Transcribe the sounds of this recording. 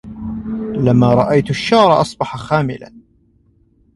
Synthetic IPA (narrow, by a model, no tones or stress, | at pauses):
lamːaːɾˤɑʔajt̪ʃːɑːɾˤɑʔɑsˤbɑħaxaːmɪ̰la̰n